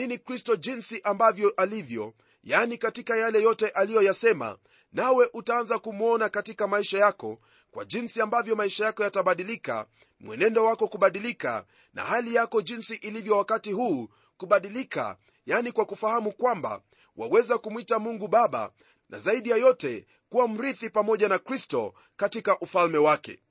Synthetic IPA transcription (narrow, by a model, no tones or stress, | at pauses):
inikɾistɔʄinsiʔambavjɔʔalivjɔ | janikatikajalɛjɔtɛʔalijɔjasɛma̰ | nawɛʔutaanzakumuɔnakatikamaiʃajakɔ̰ | kwa̰ʄinsiambavjɔmaiʃajakɔjataɓaɗilika̰ | mwɛ̰nɛndɔwakɔkuɓaɗilika̰ | na̰halijakɔʄinsiʔilivjɔwakatiɦuː | kuɓaɗilika̰ | janikwakufahamukwamba̰ | wa̰wɛzakumwitamuŋɡuɓaɓa̰ | na̰zaiɗijajɔtɛ | kuwam̩ɾiθipamɔʄanakɾistɔ | katikaʔufalmɛwakɛ̰